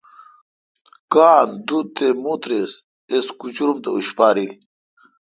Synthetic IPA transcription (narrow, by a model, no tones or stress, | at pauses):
kaːnd̪ut̪emut̪ɾes | eskut͡ɕuɾumt̪euɕpaːɾil